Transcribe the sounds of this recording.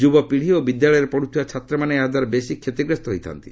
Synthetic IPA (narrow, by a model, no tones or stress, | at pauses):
d͡ʒubɔpiɽ̤iobid̪jaɭɔjɔɾepɔɽ̤ut̪ʰibat͡ʃʰat̪ɾɔmanead̪aɾbesikʰet̪iɡɾest̪ɔɦojt̪ʰa̰nt̪i̥